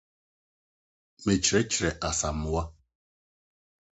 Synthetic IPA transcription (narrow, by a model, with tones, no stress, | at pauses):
me˨t͡ʃɾe˦t͡ʃɾe˨ʔa˨sa˨m̩˨wa˦